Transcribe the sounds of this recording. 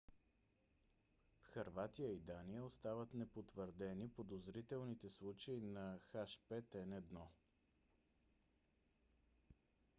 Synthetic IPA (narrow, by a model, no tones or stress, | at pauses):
fxɐɾvat̪ijəid̪anijəost̪avət̪nɛpot̪vəɾd̪ɛnipod̪ozɾit̪ɛlˠnit̪ɛslˠut͡ʃəinɐxaʃpɛt̪ɛnɛd̪nɔ